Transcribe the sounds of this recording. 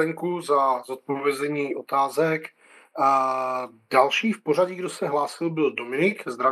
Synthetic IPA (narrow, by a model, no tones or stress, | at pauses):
ɛŋkuzazot̪̚povjɛzɛɲiːʔo̞t̪aːzɛk | dalʃiːfpo̞ɾ̝aɟɪɡdosɛɦlaːsɪlbɪldo̞mɪnɪkzd̪ɾa